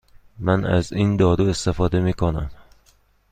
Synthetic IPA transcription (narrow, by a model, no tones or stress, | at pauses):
mænæ̰ziːnd̪ɒːd̪ue̞st̪efɒːd̪emiːkʰonæ̰m